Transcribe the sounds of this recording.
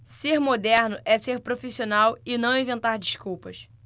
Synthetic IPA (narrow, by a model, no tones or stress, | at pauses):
seɾmod̪ɛɾnʊʔɛseɾpɾofisionawɪnɐ̃w̃ĩvẽnt̪aɾd͡ʒiʃkuwpɐs